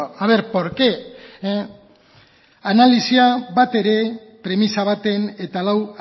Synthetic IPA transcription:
aβe̞ɾpoɾke | analisiaβat̪e̞ɾe̞ | pɾe̞misaβ̞at̪e̞ne̞t̪alaw

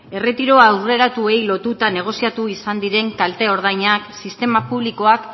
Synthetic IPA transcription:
e̞re̞t̪iɾo̞awre̞ɾat̪ue̞jlo̞t̪ut̪ane̞ɣ̞o̞siat̪uisand̪iɾe̞ŋkalt̪e̞o̞ɾðajɲaksist̪e̞mapuβliko̞ak

